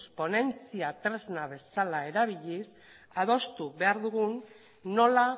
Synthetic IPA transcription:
spo̞ne̞nt͡siat̪ɾe̞znaβ̞e̞salae̞ɾaβ̞iʎis | aðo̞st̪uβe̞aɾðuɣunː | o̞la

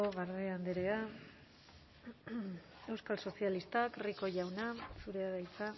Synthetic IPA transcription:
oɣaɾðeand̪eɾea | e̞wskalso̞sialist̪akriko̞ʝawnasuɾe̞aðajt͡sa

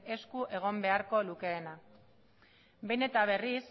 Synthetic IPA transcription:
e̞skuʔe̞ɣ̞o̞mbe̞aɾko̞luke̞ːna | be̞ne̞t̪aβ̞e̞ris

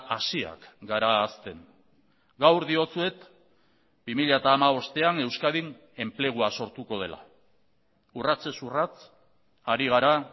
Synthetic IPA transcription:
asia̰kɡaɾaːst̪e̞n | ɡawɾðio̞t͡sue̞t̪ | b̥imiʎaet̪aːmaβo̞st̪e̞ane̞wskaðin | e̞mple̞ɣ̞uaso̞ɾt̪uko̞ð̞e̞lʔa̰ | urat͡se̞surat͡s | aɾiɣ̞aɾa

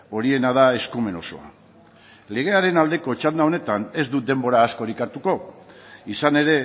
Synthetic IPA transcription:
o̞ɾie̞naðae̞skume̞no̞so̞̰a̰ | le̞ɣe̞aɾe̞nald̪e̞ko̞t͡ʃand̪ao̞ne̞t̪ane̞zd̪ud̪e̞mbo̞ɾaːsko̞ɾikaɾt̪uko̞ | isane̞ɾe̞

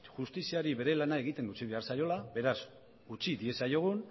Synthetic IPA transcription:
ʝust̪isiaɾiβe̞ɾe̞lanae̞ɣ̞it̪e̞ŋɡut͡ʃiβe̞aɾsajo̞laβe̞ɾas | ut͡ʃiðie̞sajo̞ɣ̞un

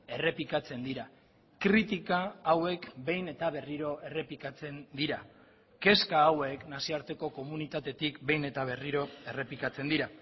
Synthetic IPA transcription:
e̞re̞pikat͡se̞nd̪iɾa | kɾit̪ikaːwe̞kbe̞jne̞t̪aβe̞riɾo̞e̞re̞plikat͡se̞nd̪iɾa | ke̞skaːwe̞knasiaɾt̪e̞ko̞ko̞munit̪at̪e̞t̪ikbe̞jne̞t̪aβ̞e̞riɾo̞e̞re̞plikat͡se̞nd̪iɾa

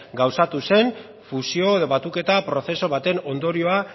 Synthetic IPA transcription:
ɡawsat̪use̞n | fusio̞eðo̞βat̪uke̞t̪apɾo̞θe̞so̞β̞at̪e̞no̞nd̪o̞ɾio̞a

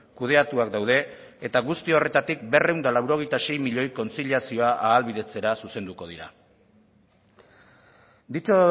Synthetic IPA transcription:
kuð̞e̞at̪uakd̪awð̞e̞ː | t̪aɣust̪io̞re̞t̪at̪ikbe̞re̞wnd̪alawɾo̞ɣ̞e̞jt̪ase̞jmiʎo̞jko̞nt͡siʎiasio̞aʔaːlβiðe̞t͡se̞ɾasuse̞nd̪uko̞ðiɾa̰ | d̪it͡so

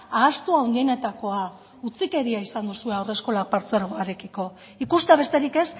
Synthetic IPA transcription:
aːst̪uaond̪ie̞ne̞t̪ako̞a | ut͡sike̞ɾiaisand̪usue̞awre̞sko̞lak̚paɾt͡se̞ɾoaɾekiko̞ | ikust̪eaβe̞st̪e̞ɾike̞s

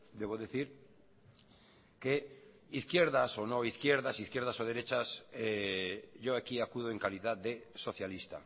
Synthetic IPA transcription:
d̪eβ̞oðeθiɾ | ke | iθkjeɾðaso̞noiθkjeɾðasiθkjeɾðasoð̞eɾet͡ʃase | ʝoakiakuð̞oeŋkaliðaðd̪eso̞θjalist̪a̰

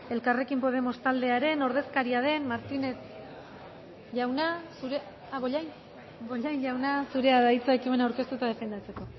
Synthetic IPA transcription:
e̞lkare̞kimpo̞ð̞e̞mo̞st̪ald̪e̞aɾe̞no̞ɾðe̞skaɾiaðe̞nmaɾt̪ine̞s | ʝawnasuɾe | aβoʎajn | ɡoʎajɲʝawnasuɾe̞aðajt͡saekimenawɾke̞st̪ut̪aðe̞fe̞nd̪at͡se̞ko̞

